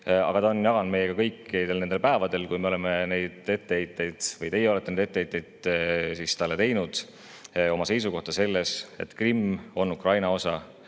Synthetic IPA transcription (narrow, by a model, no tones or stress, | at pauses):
ɑ̰ɡ̥ɑt̪ɑonjɑɡ̥ɑnd̪me̞je̞kɑkɤjkːˑit̪elnend̪elpæevɑd̪e̞lkujme̞o̞lemene̞jd̪̥e̞t̪ːeejt̪ːˑe̞jd̪̥vɤjt̪e̞jeo̞le̞t̪ːˑened̪e̞t̪ːeet̪ːˑejd̪̥sist̪ɑlːe̞t̪e̞jnud̪̥ | o̞mɑse̞js̬uko̞ht̪ɑse̞lːese̞̰t̪krimo̞nukrɑjnɑo̞sɑ